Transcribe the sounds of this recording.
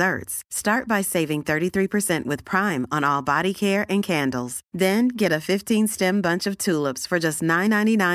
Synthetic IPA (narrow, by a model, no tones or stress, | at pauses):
ɜ̰˞tsstɑɹt̚b̥aɪseɪvɪ̃ŋθɜ˞ɾiθɹipʰə˞sɛ̃nʔwɨð̥pʰɹ̥ãɪ̃mə̃nɔlˠbɑɾikʰɛɹʔɨ̃nkʰæ̃ndˡl̩ˠz̥ðɨ̃nɡɛɾɨfɪftʰĩnstɛ̃mbʌ̃nt͡ʃʌv̥tʰulˠəpsfə˞d͡ʒʌstⁿnãɪ̃nːãɪ̃ñinãɪ̃